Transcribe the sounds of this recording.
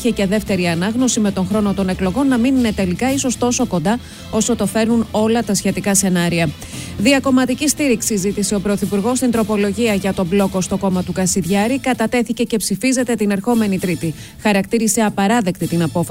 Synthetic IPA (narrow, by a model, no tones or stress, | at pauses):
çeceðe̞ft̪e̞ɾiɐnɐɣno̞sime̞t̪o̞ŋxɾo̞no̞t̪o̞ne̞klo̞ɣo̞nːɐminine̞t̪e̞likɐiso̞st̪o̞so̞ko̞nd̪ɐ | o̞so̞t̪ofe̞ɾnuno̞lɐt̪ɐsçe̞t̪ikɐse̞nɐɾiɐ | ðiɐko̞mɐt̪icist̪iɾiksizit̪ise̞o̞pɾo̞θipuɾɣo̞st̪int̪ɾo̞po̞lo̞ʝiɐʝɐt̪o̞blo̞ko̞st̪o̞ko̞mɐt̪ukɐsiðʝɐɾikɐt̪ɐt̪e̞θice̞ce̞psifize̞t̪e̞t̪ine̞ɾxo̞me̞nit̪ɾit̪i | xɐɾɐk̚t̪iɾise̞ɐpɐɾɐðe̞kt̪it̪inɐpo̞f